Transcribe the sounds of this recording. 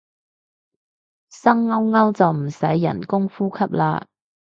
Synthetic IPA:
sɐ˥ŋːɐ˥wŋɐ˥wt͡sɐ˨wm̩˨˩sɐ˨˥jːɐ̰˨˩nkʊ˥ŋfuː˥kʰɐ˥p̚laː˧

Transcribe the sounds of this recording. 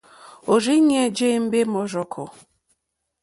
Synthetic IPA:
o˨ɾi˦ɲ˦e˦d͡ʒe˦m̩˦be˦mɔ˨ɾɔ˨kʰʊ˨

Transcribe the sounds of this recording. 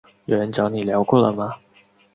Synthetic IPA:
jo˨˩ɻə˧˦nt͡ɕjɑ˧˥ni˨˩ljɑ˧˥ʊkwɔ˥˩lə̰˩mɐ˨

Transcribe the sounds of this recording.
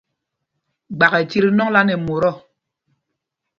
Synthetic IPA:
ɡ͡ba˨ɣɛ˨ti˦ɾi˦nɔ˦ŋ˦la˦nɛ˨mo˨ɾɔ˦˨

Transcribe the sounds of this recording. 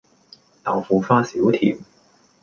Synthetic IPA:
t̪aː˨˩wfuː˨˧faː˥siː˨˥wt̪ʰḭː˨˩m

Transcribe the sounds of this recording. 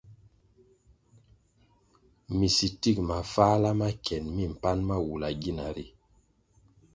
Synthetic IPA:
mi˨si˨ti˦˨k̚ma˨fa˦la˦ma˦kʰɛ˨nmi˦˨m̩˨pa˦nma˦wu˨la˨ɡi˦˨na˨ɾi˨

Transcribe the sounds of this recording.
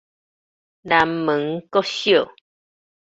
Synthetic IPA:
ɾa˧˨mɨ̃˨˦ŋ˦ko˦sjo˦˨

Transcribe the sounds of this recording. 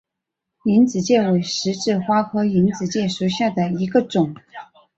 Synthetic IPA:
i˧˥nt͡sɹ̩˨˩t͡ɕjɛ˥˩we˨˩ɪʂɻ̩˧˥ʈ͡ʂɻ̩˥˩xwa˥xʰɤ˥i˧˥nt͡sɹ̩˨˩t͡ɕjɛ˥˩ʂu˧˩ɕja˥˩d̪ə˩i˧˥ɡə˧ʈ͡ʂʊ˨˩˦ŋ

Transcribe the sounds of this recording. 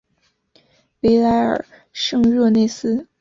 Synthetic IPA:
we˧˥ɪla˧˥ɪə̰˞˨˩ | ʂɤ˥˧ŋɻɔ˥˧ne˥˩ɪsɹ̩˥

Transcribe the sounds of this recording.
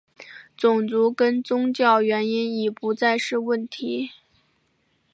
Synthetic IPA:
t͡sʊ˨˩ŋt͡su˧˥kə˥nt͡sʊ˥ŋt͡ɕjɑ˥˩ʊɥɛ˧˥ni˥ni˨˩pu˧˥t͡sa˥˧ɪʂɻ̩˥˧wə˥˩nt̪ʰi˧˥

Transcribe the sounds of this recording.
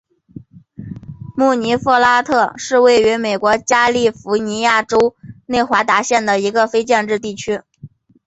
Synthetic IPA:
mu˥˩ni˧˥fɔ˥˩la˥t̪ʰɤ˥˧ʂɻ̩˥˧we˥˩ɪy˧˥me˨˩ɪkwɔ˧˥t͡ɕja˥li˥˩fu˧˥ni˧˥ja˥˩ʈ͡ʂo˥ʊne˥˩ɪxwa˧˥t̪a˧˥ɕjɛ˥˩nd̪ə˩i˧˥ɡə˧fe˥ɪt͡ɕjɛ˥˧nʈ͡ʂɻ̩˥˧t̪̬i˥˩t͡ɕʰy˥

